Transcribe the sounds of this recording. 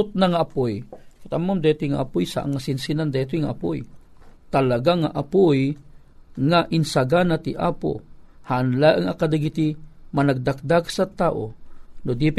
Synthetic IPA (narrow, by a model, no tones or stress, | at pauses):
ʊt̪̚naŋaʔɐpojkt̪amːomd̪ɛt̪ijŋa̰ʔapʊjsa̰ʔa̰ŋːasinsinand̪ɛt̪̬ʊjŋaʔapo̰j | t̪alaɡaŋaʔapoj | ŋaʔɪnsaɡanat̪iʔa̰po̰hanlaʔəŋakad̪aɡit̪imɐnaɡ̚d̪ak̚d̪aɡsat̪aːʔo̰nod̪ip